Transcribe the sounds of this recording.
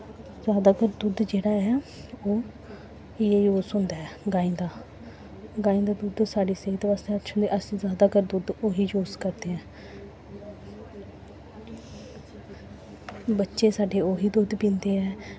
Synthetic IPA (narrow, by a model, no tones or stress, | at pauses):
zjaːd̪aːkəɾd̪ʊd̪d͡ʒeːɽaːɦɛːoː | ɪeːjoːsʊnd̪aːɛːɡaːĩːd̪aː | ɡaːĩːd̪aːd̪ʊd̪saːɖiːseit̪ːʋaːst̪eːətːʃʰʊ̃nd̪eːʔəsĩːzjaːd̪aːkəɾd̪ʊd̪oːɦiːd͡ʒoːskəɾd̪eːɦɛ̃ː | bətːʃeːsaːɖeːoːɦiːd̪ʊd̪pĩːnd̪eːɛː